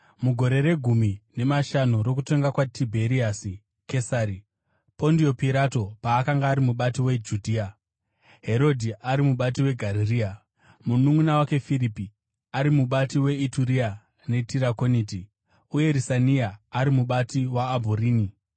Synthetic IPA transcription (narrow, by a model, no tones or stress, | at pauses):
muɡʱo̞ɾe̞ɾe̞ɡʱumine̞maʃanuɾo̞k̬ute̞ŋɡakwatʰibʱe̞ɾiasi | ke̞saːɾi | po̞ndio̞piɾato̞paːkaŋɡaːɾimuɓatiwe̞d͡ʒudʱiːa | ɦe̞ɾo̞dʱiʔaɾimuɓat̬iwe̞ɡʱaɾiriːa | munumunawake̞firipi | aɾimuɓatiwe̞ituɾia | ne̞tiɾako̞niti | uje̞ɾisaniaːɾimuɓatiwaːbʱuɾiːni